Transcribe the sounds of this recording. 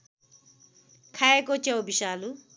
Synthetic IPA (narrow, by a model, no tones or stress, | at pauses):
kʰaekot͡ʃewbiʃaːlu